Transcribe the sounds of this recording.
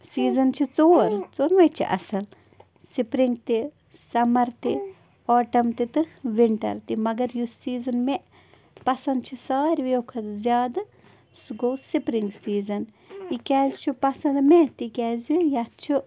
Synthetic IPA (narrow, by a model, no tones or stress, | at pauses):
siːzɐnt͡ʃʰit͡soːɾt͡soːnʋɐjt͡ʃʰḭʔɐ̰sɐl | sipɾiŋɡ̚t̪i | sɐmɐɾt̪i | ɔːʈɐmt̪it̪ɨʋiɳʈɐ̰ɾt̪imɐɡɐɾjusiːzɐnmeʔ | pɐsɐnd̪t͡ʃʰisaːɾʲʋjoːkʰɐt̪zʲjaːd̪ | sɡowsipɾiŋɡsiːzɐn | ikʲaːzt͡ʃʰupɐsɐnd̪met̪ikʲaːzjat͡ʃʰu